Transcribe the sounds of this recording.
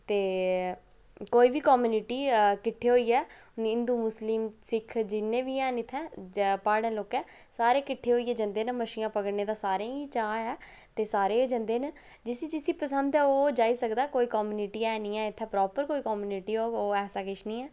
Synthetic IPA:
t̪eː | koːiːʋiːkɔːmuːnɪʈiːkɪʈʰːeːɦoːiːɛː | nɪ̃nd̪uːmʊsliːmsɪkʰd͡ʒɪnːẽːʋiːɛ̃ːnɪt̪ʰːɛ̃ːpaːɽẽːloːkɛː | saːɾeːkɪʈʰːeːɦoːiːɛːd͡ʒənd̪eːnəməʃiːjãːpəɡəɽneːd̪aːsaːɾẽːiːt͡ʃaːɛː | t̪eːsaːɾeːd͡ʒə̃nd̪eːn | d͡ʒɪsĩd͡ʒɪsiːpəsənd̪ɛːoːd͡ʒaːiːsəkd̪aːkoːiːkɔːmuːnɪʈiːɛːnĩːɛːɪt̪ʰːɛ̃ːpɾɔːpəɾkoːiːkɔːmuːnɪʈiːɦoːoːɛːsaːkɪʃʰnĩːɛː

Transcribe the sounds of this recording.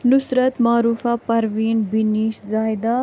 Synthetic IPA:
nʊsɾət̪maːɾuːfapɐɾʋiːnbiniːʃzaːjd̪a

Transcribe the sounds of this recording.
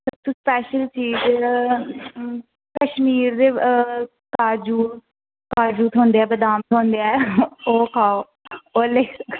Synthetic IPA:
sət̪uspɛːʃəlt͡ʃiːz | kəʃmiːɾd̪eː | kaːd͡ʒuː | kaːɾd͡ʒuːt̪ʰõːnd̪eːɛːbəd̪aːmt̪ʰõːnd̪eɛːoːkʰaːo | oːleːk

